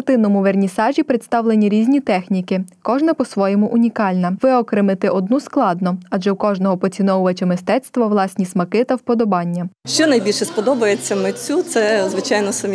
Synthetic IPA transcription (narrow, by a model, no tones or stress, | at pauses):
rt̪ɪnːɔmʊʋernʲisɑʒʲipɾɪt̪st̪ɑwlˠenʲiɾʲizʲnʲit̪ɛxnʲikɪkɔʒnɐpɔsʋɔjɔmʊʔʊnʲikɑlʲnɐʋɪɔkɾɪmɪt̪ɪʔɔd̪nusklˠɑd̪nɔɐʒɛwkɔʒnɔɦɔpɔt͡sʲinɔwʊʋɐt͡ʃɐmɪst̪ɛt̪st̪ʋɐʋlˠɑsʲnʲismɐkɪt̪ɐwpɔd̪ɔbɑnʲːɐʃt͡ʃɔnɐjbʲilʲʃɛspɔd̪ɔbɐjet͡sʲːɐmet͡sʲut̪sɛzʋɪt͡ʃɑjnɔsɐmʲ